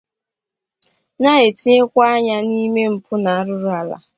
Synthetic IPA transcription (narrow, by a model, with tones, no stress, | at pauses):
na˦e˨ti˦e˦kʷa˦a˦ɲa˦ni˦me˦m̩˨pʰʊ˦na˨a˦ɾʊ˦ɾʊ˦a˨la̰˨